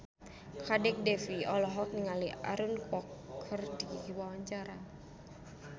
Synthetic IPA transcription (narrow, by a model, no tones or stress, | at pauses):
kadɛk̚dɛfiɔlɔɦɔk̚niŋalia̰ɾunkɔkʰərdiikiwawaɲt͡ʃaɾa